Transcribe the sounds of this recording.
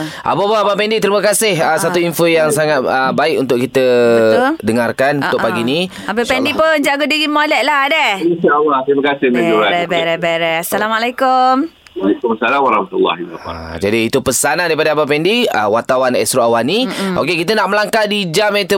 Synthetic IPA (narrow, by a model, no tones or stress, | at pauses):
ʔa̰papaabapɛndit̪əɾiməkasɪhəsat̪uinfojaŋsaŋat̪̚əbaɪkṵnt̪ʊʔ̚kit̪ə | dəŋarkanunʊʔpaɡini | apipɛndipʊnd͡ʒaɡodiɡimolɛʔlaɦadəisiawaht̪əɾimakasɪhmad͡ʒuɾaɾabaɾabaɾɛasalamalakʊm | alakumsalamaɾahmat̪ulːa̰hia̰d͡ʒadiːt̪upəsanandaipadaabapɛndiə̰wat̪awanɛ̰st̪ɾoawaniʔo̰kekit̪ənaʔməlaŋkadid͡ʒamɛt̪u